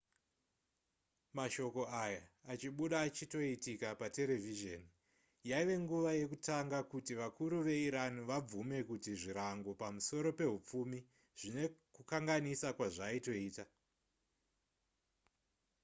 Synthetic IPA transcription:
maʃo̞ko̞ajaːt͡ʃiɓuɗaːt͡ʃito̞itikapate̞le̞viʒeni | jaiʋe̞ŋɡuʋaje̞kutaŋɡakutiʋakuɾuʋe̞iɾaniʋab͡vume̞kutiʐiɾaŋɡo̞pamuso̞ɾo̞pe̞ɦup͡fumi | ʐ̥ine̞kukaŋɡanisakwaʐaito̞iːta

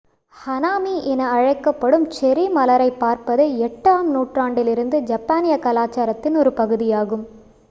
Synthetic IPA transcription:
hɐnaːmiʔɛnɐɐɻɐɪkːɐpːɐɽɯmt͡ʃɛɾimɐlɐɾɐɪpːaːɾpɐðeɛʈːaːmnuːʈraːɳɖɪlɪɾɯnd̪ɯd͡ʒɐpːaːnɪjɐkɐlaːt͡ʃːaːɾɐt̪ːɪnɔɾɯpɐɣɯðɪjaːɣɯm

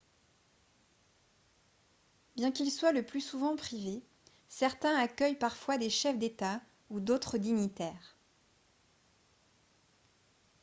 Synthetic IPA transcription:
bjɛ̃kilswaləplysuvɑ̃pχive | sɛʁt̪ɛ̃akʲœjpaʁfwad̪eʃɛfd̪et̪a | ud̪ot̪χəd̪iɲit̪ɛːʁ

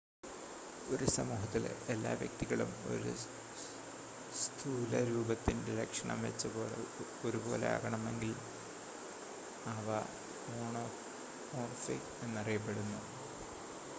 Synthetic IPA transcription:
o̞ɾusɐmuːɦɐt̪ːilelːa̰ːʋjɐ̰k̚t̪iɣɐɭumo̞̰ɾṵ | st̪ʰuːlɐɾuːbɐt̪ːindeɾekʂɐɳɐ̰mʋet͡ɕːɐboːle | oɾubo̞ːlḛa̰ːɣɐɳɐme̞ŋɡil | ɐʋɐ | oːɳo | oːrfik | enːɐrijɐp̬ːe̞ɽunːu

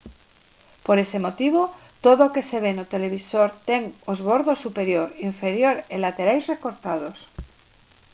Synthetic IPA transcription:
po̞ɾe̞se̞mo̞t̪iβ̞ot̪oðoke̞se̞β̞enot̪e̞le̞β̞iso̞ɾt̪e̞ŋozβo̞ɾðo̞sːupe̞ɾjo̞ɾiɱfe̞ɾjo̞ɾelat̪e̞ɾajzre̞ko̞ɾt̪að̞o̞s

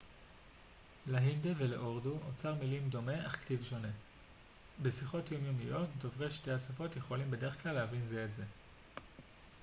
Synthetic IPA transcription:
leɦindeveleʔoʁduʔot͡saʁmilimdo̞me̞ʔaχktivʃo̞ne̞ | be̞siχo̞tjomjomijo̞tdovʁeʃte̞asafo̞tje̞χo̞limbede̞ʁeχklalːehavinzeːtze̞

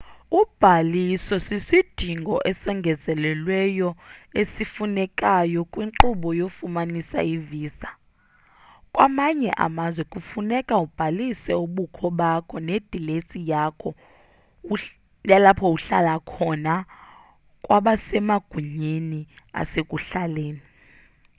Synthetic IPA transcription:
ub̥ʱalisɔsisid̥ʱiŋɡʱɔʔɛsɛŋɡʱɛzɛlɛlwɛjɔesifunɛkʼajɔkʼwiŋǃuɓɔjofumanisa̰iviːsa | kʼwamaɲɛ̰ʔa̰mazwɛkʼufunɛkʼaub̥ʱalisɛuɓukʰɔɓakʰɔned̥ʱilesijakʰɔ | jalapʰɔuɬa̰lakʰɔna | kʼwaɓasɛmaɡ̥ʱuɲeni | a̰sekʼuɬaleːni

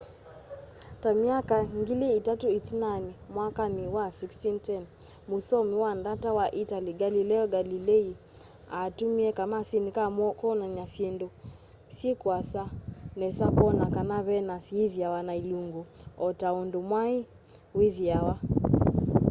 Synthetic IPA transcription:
tamiakaŋɡiliitatuitinanimwakaniwasikstintɛn | musɔmiwandatawaʔitaliɡalilɛɔɡalilɛi | atumiɛkamasinikamɔkɔnaɲasɛndɔ | sikuasanɛsakɔnakanaβɛnasiiðiawanailuŋɡuɔtaɔndumwai | wiðiawa

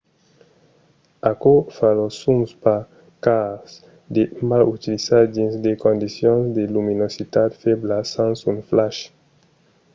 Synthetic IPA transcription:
akofalosumspa | kas | d̪emalut̪ilisad̪insd̪ekõnd̪isjõnsd̪eluminosit̪at̪feblasãnsunflaʃ

